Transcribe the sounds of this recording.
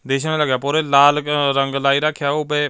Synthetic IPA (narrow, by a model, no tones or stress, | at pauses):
d̪eːʃãnːləɡjaːpoːɾeːlaːlɾəŋɡlaːiːɾəkʰːjaːobeː